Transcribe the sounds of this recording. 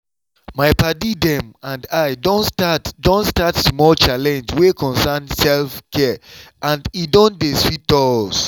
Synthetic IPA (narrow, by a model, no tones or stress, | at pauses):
maɪpadidɛ̃mãndaɪdɔ̃nstatdõnstatsmɔlt͡ʃalɛ̃nd͡ʒwekɔ̃nsansɛlfkɛʔãndidõndesfit̚ɔs